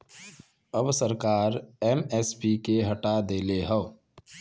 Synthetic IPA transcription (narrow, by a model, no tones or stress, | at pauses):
əbsəɾkaːɾɛːmɛːspikeɦɐʈad̪eːleɦəː